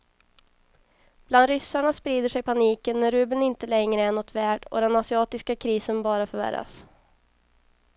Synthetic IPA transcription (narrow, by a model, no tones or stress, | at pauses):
b̥land̪ɾʏsaɳaspɾiːd̪əʂɛjpʰaniːkənːæɾʉːbɪnɪnt̪əlɛŋɾəæɳɔt̪ʰvæːɖɔ̰d̪ɛnasɪɑːt̪ɪskakʰɾiːsənbɑːɾafœɾvæ̰ɾːa̰s